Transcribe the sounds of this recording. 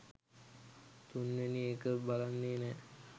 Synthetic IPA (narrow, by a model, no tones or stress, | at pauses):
t̪unʋeniekəbalanːeːnɛː